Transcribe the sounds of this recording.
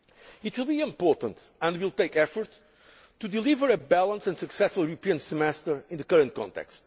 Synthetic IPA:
it̪wilˠbiɪ̃mpɔt̪ə̃nt̪ə̃ndwilˠt̪eɪkɛfɔɹt̪ː | ud̪ilivəɾɨbælˠə̃nsɨ̃ndsɨksɛsfɔlˠjuɾɨpiɨ̃nsɨmɛst̪ə˞ĩnðɨkʌɾə̃nt̚kʰɔ̰̃nt̪ɛ̰kst̪

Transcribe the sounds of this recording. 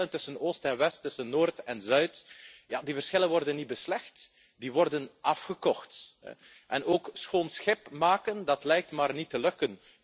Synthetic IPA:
ləntɵsənoːstɛnʋɛstːɵsənːoːrtɛnzœɥtjaːdivərsxɪlənʋɔrdənːit̚bəslɛxt | diʋɔrdənɑfxəkɔxtɛ̰ | ʔɛnoːksxoːnsxɪpmaːkəndɑtlɛjk̚tmaːrnitəlɵkən

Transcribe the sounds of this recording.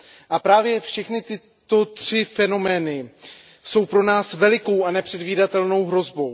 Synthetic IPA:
ʔapɾaːvjɛfʃɛxnɪt̪ɪ | t̪o̞t̪r̥ɪfɛno̞mɛːnɪ | so̞wpɾo̞naːsvɛlɪko̞wʔanɛpr̥ɛdviːdat̪ɛlno̞wɦɾo̞zbo̞w

